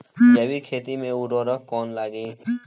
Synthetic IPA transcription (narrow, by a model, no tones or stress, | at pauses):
jɐwikʰeːt̪imẽʊɾoːɾəkkɔːnlaːɡiː